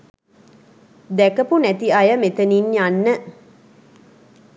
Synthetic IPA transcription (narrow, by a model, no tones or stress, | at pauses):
d̪ækəpunæt̪iajəmet̪əninjanːə